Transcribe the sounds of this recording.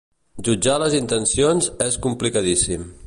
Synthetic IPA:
ʒud͡ʒaləzint̪ənsionzɛskumplikəðisim

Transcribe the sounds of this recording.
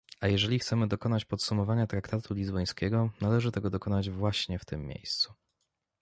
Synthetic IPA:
ajɛʐɛlʲixt̪sɛmɘd̪ɔkɔnat͡ɕpɔt̪sumɔvaɲat̪ɾakt̪at̪ʰulʲizbɔj̃skʲɛɡɔnalɛʐɘt̪ɛɡɔd̪ɔkɔnad͡ʑvwaɕɲɛft̪ɘmːʲjḛjst̪su̥

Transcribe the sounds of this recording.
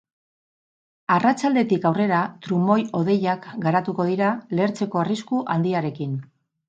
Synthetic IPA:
arat͡ʃald̪e̞t̪ikawre̞ɾat̪ɾumo̞jo̞ð̞e̞jakɡaɾat̪uko̞ð̞iɾaleɾt͡se̞ko̞ariskuʔand̪iaɾe̞kin

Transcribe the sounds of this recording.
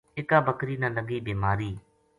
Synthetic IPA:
ɪkaːbəkɾiːnə̃ləɡiːbeːmaːɾiː

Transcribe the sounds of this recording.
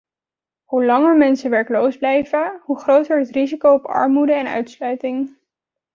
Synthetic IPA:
hulɑŋəɹmɛnsəʋɛɹklowzblɛjvəɦuχrowtəɹɦətrizikowɔpɑ̰ɹmudəɛnœ̰ɥtslœɥtɪŋ

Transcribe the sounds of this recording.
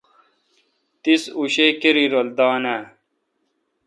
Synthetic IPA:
t̪isuɕeːkeɾiɾold̪aːnæ

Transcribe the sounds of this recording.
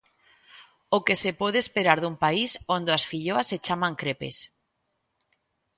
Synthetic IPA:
okesepɔðeːspeɾaɾðumpaisond̪oasfiʎoaset͡ʃamãŋkɾepḛs

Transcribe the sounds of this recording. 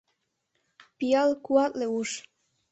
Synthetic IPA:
pijɑlkuɑt̪leuʃ

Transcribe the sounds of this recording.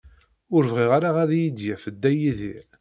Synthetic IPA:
ʊɾvʁiʁaɾaʁæðijid̪jæfəd̪ːæjiði

